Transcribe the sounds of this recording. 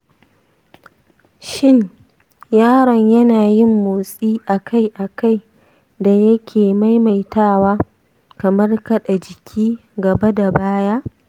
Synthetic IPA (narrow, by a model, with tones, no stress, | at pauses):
ʃɪ˦ɲ | jaː˦ɽɔ˨ɲjɐ˦naː˨jɪ˦mːoː˨sʼiː˦ʔa˨kʰa˦jʔa˨ka˦˨j | da˨jɐ˦kʲʰeː˨ma˦jma˨jtaː˦˨waː˦ | kɐ˨mɐ˦rkɐ˦ɗa˨d͡ʒɪ˨kʲʰiː˦ɡɐ˨ba˦da˨baː˦jaː˦